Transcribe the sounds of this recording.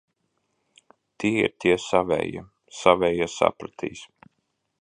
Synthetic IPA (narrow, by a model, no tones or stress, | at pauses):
t̪ʰiɛḭɾt̪ʲiɛsavɛ̰ja̰ | savʲɛjasa̰pɾat̪ʰḭːs